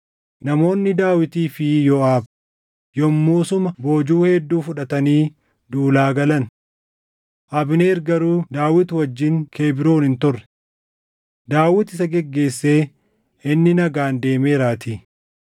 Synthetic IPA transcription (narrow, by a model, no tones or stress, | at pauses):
nɐmo̞ːnːɪd̪aːwɪt̪iːfɪjɔaːb | jɔmːuːsʊmɐbo̞ːd͡ʒuːhɛd̪ːuːfʊᶑɐt̪ɐniː | d̪uːlaːɡɐlɐn | ʔɐbneːɾɡɐɾuːd̪aːwɪt̪wɐd͡ʒːɪŋkʰe̞ːbɪɾoːnɪnt̪ʊrːɛ̥ | d̪aːwɪt̪ɪs̬ɐɡɛɡːe̞ːsːe̞ː | ʔɪnːɪnɐɡaːnd̪e̞ːmeːɾaːt̪iː